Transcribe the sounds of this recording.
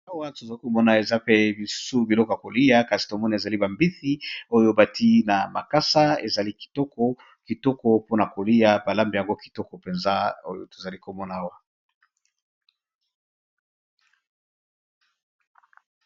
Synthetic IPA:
a˦wa˦to˨za˨li˦ko˨mɔ˦na˨e˨za˦pe˦bi˨su̥˦su˦bi˨lɔ˦kɔ˨ja˨ko˨li˦ja˦ka˨si̥˨to˨mɔ˦na˨e˨za˨li˦ba˨mbi˦θi˦o˦jo˦ba˨tʰi˦na˨ma̰˨ka˦sa˦e˨za˨li˦ki̥˨tɔ˦kɔ˦ | ki˨tɔ˦kɔ˦po˦na˨ko˨li˦ja˨ba˨la˦mbi˨ja˨ŋɡo˦ki̥˨tɔ˦kɔ˨pe˨nza˦o̰˦jo̰˦to˨za˨li˦ko˨mɔ˦na˨a˦wa˦

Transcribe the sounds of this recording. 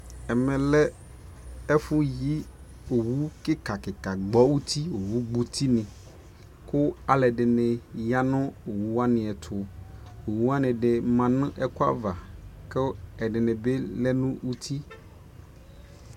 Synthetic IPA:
ɛ˨mɛ̃˨lɛ˦ | ɛ˦fũ˦ji˦ | o˨wu˦ke˦ka˨ke˨ka˨ɡ͡bɔ˦wu˦t̪i˦o˨wu˦ɡ͡bu˨t̪ʰi˦nĩ˨ | ko˦a˨lɛ˨ɖe˨nẽ˨ja˦nɔ̃˦o˨wu˦a˦nɪ̃˨ɛ˨t̪ʰʊ˨ | o˨wu˦a˦nĩ˨ɖe˨mã˨nũ˦ʔɛ˦ko˦a̰˦va˨ke˦ɛ˨ɖe˨nẽ˨be˦lɛ˦nũ˦wu˦t̪ʰi˦

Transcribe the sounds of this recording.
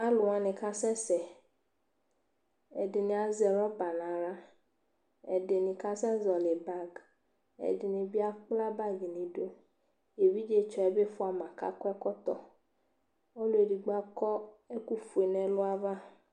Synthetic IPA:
a˦lʊ˨ã˨nɪ̃˨ka˦sɛ˦sɛ˨ | ɛ˨dɪ˨nɪ̃˨a˨zɛ˨ɾɔ˦ba˨nã˨ɾa˦ | ɛ̰˨dɪ˨nɪ̃˨ka˦sɛ˦zɔ˨lɪ˨ba˦ɡ | ɛ̰˨dɪ˨nɪ̃˨bi˦a˦k͡pla˦ba˦ɡi˨nɪ̃˨do˦ | je˨vi˦d͡ʒe˦t͡ʃɔ˨ɛ˨be˦fʊ˦a˨mã˨ka̰˦kɛ˦kɔ˦t̪ɔ̰˨ | ɔ˦lʊ˦e˨di˨ɡ͡ba˦kɔ˦ɛ˦ku˦fu˨e˨nɛ̃˨lʊ˦a˦va˦

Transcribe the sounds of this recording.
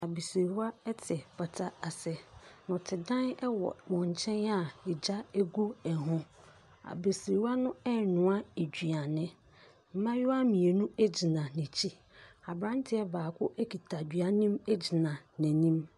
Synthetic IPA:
a˨be˨si˨wa˦ɛ˦tʰɛ˨pʰa˨tʰa˦a˨sɛ˨nʊ̃˨tʰɪ˨dã˦nɛ˦wɔ̰˨mɔ̃˨ɲ˨t͡ɕʰɛ̃˦n˦a˦ɛ˨d͡ʑa˦e˦ɡu˦ɛ˨ɦʊ̃˦ | a̰˨be˨swa˦nʊ̃˦ɛ˦˨nʊ̃˨a˦e˨d͡ʑᶣɥa˨nɪ̃˦ | m̩˦mã˦jʊ˦a˦mĩ˨e˨nũ˦e˦d͡ʑi˨nã˨nĩ˨t͡ɕʰi˦ | a˨bɾã˦n˦tʰɪ˦ɛ˦baː˨kʰʊ˦ʔe˦kʰi˨tʰa˨d͡ʑɥa˦nĩ˦me˦d͡ʑi˨nã˨næ̃˨nĩ˦m

